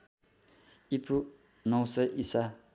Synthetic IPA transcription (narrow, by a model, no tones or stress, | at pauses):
ipʰu | nʌw̃sʌjʔisa